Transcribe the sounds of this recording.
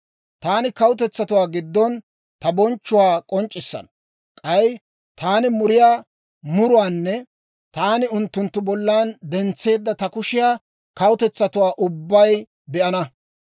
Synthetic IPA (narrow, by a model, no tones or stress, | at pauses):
t̪aːnɪkɐwʊt̪ɛt͡sːɐt̪ʊwaːɡɪd̪ːɔn | t̪ɐbɔnt͡ʃːʊwaːkʼɔnt͡ʃʼːɪsːɐ̰n | kʼɐj | t̪aːnɪmʊɾɪjaː | mʊɾʊwaːnːɛ | t̪aːnɪʊnt̪ːʊnt̪ːʊbɔlːaːnd̪ɛnt͡sːe̞ːd̪ːɐt̪ɐkʊʃɪjaː | kɐwʊt̪ɛt͡sːɐt̪ʊwaːʔʊbːɐj | bɛʔɐnɐ